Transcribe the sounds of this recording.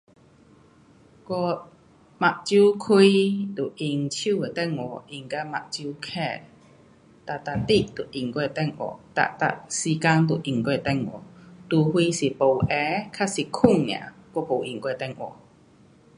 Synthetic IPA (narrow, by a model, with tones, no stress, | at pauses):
kɔ˧ | ma˨ʔ̚t͡ɕju˦kʰi˧˦t̪u˨˩ʔi˧˩ŋt͡ɕʰu˥˧˨e˨˩t̪ɛ˥˧ŋwɔ˨˩ʔi˧ŋka˧˦ma̰˨ʔ̚t͡ɕu˦kʰɛ˧˨ | t̪a˨t̪a˧˨t̪i˦˧˨ʔt̪u˨˩ʔi˨˩ŋkwɛ˥˧˨t̪ɛ˥˧˨ŋwɔ̰˨˩t̪a̰˧˨ʔt̪a̰˧˩si˧ka˧ŋt̪u˨ʔi˨˩ŋkwt̪ɛ˥˩ŋwɔ̰˨˩t̪u˧˩hwi˧si˨˩po˨˩wʔɛ˧˦kʰa˦˥si˨kʰu˥˨ŋñ̰˨ã̰˨kwɔ˦˧˦po˨˩ʔi˨˩ŋkwɛ˧˨t̪ɛ˥˩˨ŋʔwɔ̰˨˩